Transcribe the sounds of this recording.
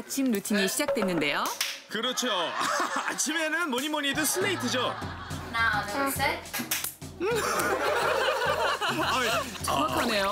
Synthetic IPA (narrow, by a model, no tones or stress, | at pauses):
t͡ɕʰimnutʰiŋeɕʰid͡ʑak̚t͈we̞nːɯnde̞jokɯɾʌt͡ɕʰoa̰t͡ɕʰime̞nɯnmoɲimoɲidɯsʰɯlːeitʰɯd͡ʑo | t͡ɕʌmakʰʌne̞jo